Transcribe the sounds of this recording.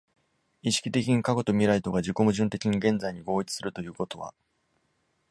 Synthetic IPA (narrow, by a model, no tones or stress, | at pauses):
iɕi̥kʲit̪e̞kʲiɲ̟ikako̞t̪o̞mʲiɾait̪o̞ɡad͡ʑiko̞mɯ̟ʑɨ̃nt̪e̞kʲiɲ̟iɡẽ̞nd͡zaiɲ̟iɡo̞ːit͡sɨ̥sɨɾɯt̪o̞jɯ̟ːko̞t̪o̞βa̰